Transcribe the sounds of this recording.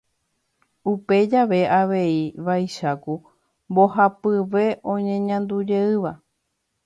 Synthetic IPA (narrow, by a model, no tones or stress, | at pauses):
upe̞d͡ʒaʋe̞ʔaʋe̞iʋajʃaku | mbohapɨʋe̞ʔõ̞ɲẽ̞ɲãnd̪ud͡ʒe̞ɨʋa